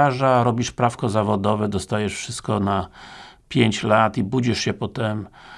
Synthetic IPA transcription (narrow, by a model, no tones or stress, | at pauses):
aʐaɾɔbʲiʂpɾafkɔzavɔd̪ɔvɛd̪ɔst̪ajɛʂfʂɘst̪̚kɔnapʲjeɲt͡ɕlat̪ibud͡ʑiʂɕɛpɔt̪ɛm